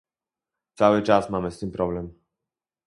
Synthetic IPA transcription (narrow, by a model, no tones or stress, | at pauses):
t̪sawɨt͡ʂasmamɛst̪impɾɔblɛm